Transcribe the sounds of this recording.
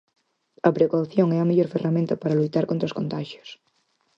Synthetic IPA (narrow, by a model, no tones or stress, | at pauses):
ɐpɾekawθjoŋɛɐmeʎoɾferamẽnt̪ɐpaɾalujt̪aɾkont̪ɾoskõnt̪aʃjo̥s